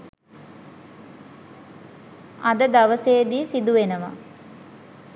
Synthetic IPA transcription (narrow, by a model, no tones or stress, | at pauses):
ɐd̪əd̪aʋəseːd̪iːsid̪uʋenəʋa̰